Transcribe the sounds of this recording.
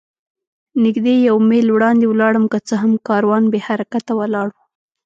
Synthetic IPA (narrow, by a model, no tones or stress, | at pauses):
nɪɡd̪ejawmelwɽɑnd̪ewlɑɽəmkət͡səɦamkɑɾwɑnbehaɾakat̪awalɑɽu